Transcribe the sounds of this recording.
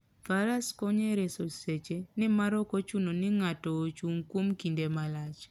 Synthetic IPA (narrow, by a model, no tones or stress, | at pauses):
faɾaskɔɲeɾesoset͡ʃenɪmaɾɔkot͡ʃunonɪŋatɔt͡ʃuŋkwomkindemalat͡ʃ